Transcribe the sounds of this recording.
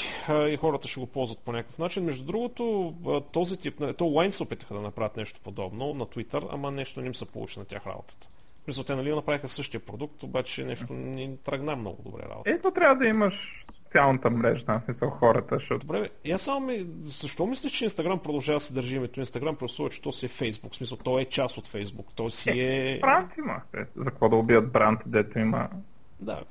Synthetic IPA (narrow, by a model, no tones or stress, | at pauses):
əixɔɾət̪əʃɛɡopɔlˠzvɐt̪̚ponʲakəfnat͡ʃinmɛʒd̪ud̪ɾuɡot̪oət̪ɔzit̪ipnɐit̪ɔlˠajnsɛopit̪ə̥xəd̪ɐnɐpɾavʲət̪nɛʃt̪o̥pod̪ɔbnonɐt̪wit̪əɾɐ̰mənɛʃt̪onɛmisəpo̰lˠṵt͡ʃinɐt̪ʲa̰xɾa̰bo̰t̪ə̥t̪ə̥ | smisəlˠt̪ɛnɐlionɐpɾavixəsɤʃt̪ijəpɾod̪uk̚t̪obat͡ʃɛnɛʃt̪onʲit̪ɾɐɡnamnɔ̰ɡʊ̰d̪o̰bɾɛ̰ɾa̰bo̰t̪ɛt̪ɔt̪ɾʲavəd̪ɐiməʃ | sot̪sialˠnət̪əmɾɛʒəd̪asmisəlˠxɔɾət̪əʃt̪ɔd̪obɾɛasːamomizɐʃt̪ɔmislʲɛʃt͡ʃɛinst̪ɐɡɾampɾod̪ɐlˠʒavɐd̪əsɛd̪əɾʒiimɛt̪ʊinst̪ɐɡɾampɾosuvət͡ʃɛ̥t̪ɔsiɛfɛjzbuksmis̬əlˠt̪ɔɛt͡ʃasot̪fɛjzbukt̪ɔjsiɛbɾant̪imə̰t̪ɛ̰zɐkəkvɔd̪ɐobiət̪̚bɾant̪d̪ɛt̪oimə̰ | d̪a̰